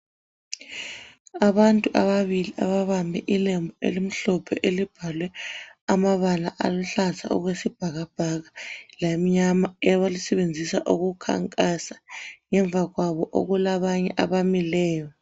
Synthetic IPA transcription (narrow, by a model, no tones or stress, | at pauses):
aβantʼuʔaβaβiliʔaβaβambʱɛʔilɛmbʱɔḛlim̩ɬɔpʰɛʔelib̥ʱalwɛamaβalaʔaluɬazʰʱa̰ṵɣwesib̥ʱaɣab̥ʱaɣalam̩ɲamaɛβalisɛβend͡zʱisaʔuɣukʰa̰ŋkʼasḁŋɛɱvʱaɣwaβɔʔo̰ɣulaβaɲɛ̰ʔaβamilɛːjɔ